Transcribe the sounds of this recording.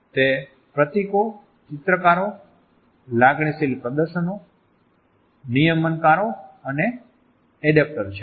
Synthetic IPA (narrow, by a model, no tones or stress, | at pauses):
t̪e | pɾət̪iko | t͡ʃɪt̪ɾəkaɾo | laɡɳ̃isilpɾəd̪əɾʃəno | nijəmənkaɾoəneː | ɖep̚ʈəɾt͡ʃʰe